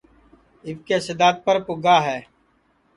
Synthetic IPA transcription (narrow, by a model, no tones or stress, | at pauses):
ɪbkeːsɪd̪aːt̪̚pəɾpʊɡaːɦɛː